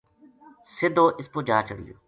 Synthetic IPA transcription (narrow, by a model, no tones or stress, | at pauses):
sɪd̪oːʔɪspoːd͡ʒaːt͡ʃə̰ɽlḭjoː